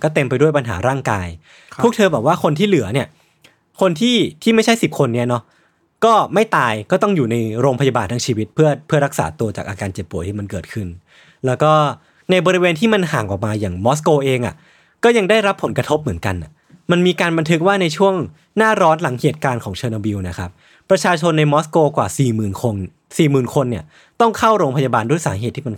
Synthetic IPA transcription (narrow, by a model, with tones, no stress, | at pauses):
kɔː˥˩t̪e˧mpa˧jdu˥˩əjpa˧nɦa̰ː˩˦ɾaː˥˩ŋkaː˧j | pʰu˥˩k̚t̪ʰɤː˧bɛː˨˩p̚waː˥˩kʰo˧nt̪ʰiː˥˩lɯ˨˩˦ɐni˥˩ɐ | kʰo˧nt̪ʰiː˥˩t̪ʰiː˥˩ma˥˩jt͡ɕʰa˥˩jsi˨˩p̚kʰo˧nːi˦˥ɐnɔ˦˥ | kɔː˥˩ma˥˩jt̪aː˧jkɔː˥˩t̪ɔ˥˩ŋjuː˨˩na˧jɾoː˧ŋpʰa˧ja˧baː˨˩nt̪ʰa˧ŋt͡ɕʰiː˧wi˦˥t̪̚pʰɯ˥˩ɐpʰɯ˥˩ɐɾa˦˥k̚sa̰ː˩˦t̪u˧ɐt͡ɕaː˨˩k̚ʔaː˧kaː˧nt͡ɕe˨˩pːu˨˩˦t̪ʰiː˥˩ma˧nkɤː˨˩t̚kʰɯ˥˩n | lɛː˦˥wkɔː˥˩ | na˧jbɔː˧ɾi˧weː˧nt̪ʰiː˥˩ma˧nɦaː˩ŋʔɔː˨˩k̚maː˧jaː˨˩ŋmɔː˦˥s̬koː˧ʔeː˧ŋʔa̰˨˩ | kɔː˥˩ja˧ŋda˥˩jɾa˦˥pʰːo˩˦nkɾa˧t̪ʰo˦˥p̚mɯ˩˦ənka˧nʔa˨˩ | ma˧nmiː˧kaː˧nba˧nt̪ʰɯ˦˥k̚waː˥˩na˧jt͡ɕʰu˥˩əŋ | naː˥˩ɾɔː˦˥nla˩˦ŋheː˨˩t̪̚kaː˧nkʰɔː˩˦ŋt͡ɕʰɤː˧na˧wi˧wna˦˥kʰa˦˥p̚ː | ɾa˧t͡ɕʰaː˧t͡ɕʰo˧nːa˧jmɔː˦˥skoː˧kwaː˨˩siː˨˩mɯː˨˩nkʰo˧n | siː˨˩mɯː˨˩nkʰo˧nːi˥˩ə | t̪ɔ˥˩ŋkʰa˥˩wɾoː˧ŋpʰa˧jaː˧baː˧ndu˧˥˩jsaː˩˦ɦe˨˩t̪ʰːi˥˩ma˧n